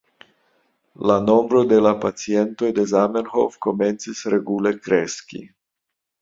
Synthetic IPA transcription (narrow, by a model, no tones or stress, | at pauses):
lano̞mbɾo̞d̪e̞lapat͡sie̞nt̪o̞jd̪e̞zamenho̰fko̞me̞nt͡sisɾeɡulekɾeskʲḭ